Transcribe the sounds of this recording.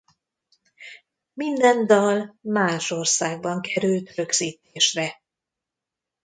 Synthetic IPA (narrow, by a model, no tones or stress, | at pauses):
mind̪ɛnd̪ɒlmaːʃo̞rsaːɡ̚bɒŋkʰɛɾylt̪rø̞ɡz̥iːt̪eːʃrɛ